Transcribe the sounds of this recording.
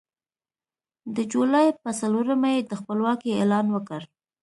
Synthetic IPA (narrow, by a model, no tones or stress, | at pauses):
d̪əd͡ʒulɑjpəsaloɾəmajed̪əxpəlwɑkielɑnwəkəɾ